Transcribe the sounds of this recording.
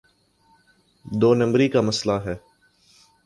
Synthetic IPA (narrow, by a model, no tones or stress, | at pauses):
d̪oːnɐ̃mbɾikamɐslaɦɛː